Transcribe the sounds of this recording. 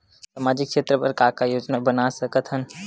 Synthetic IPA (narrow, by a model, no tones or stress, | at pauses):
saːmaːd͡ʒɪkkːʃeːt̪ɾəpəɾkaːkajoːd͡ʒnabənasəkət̪ɦən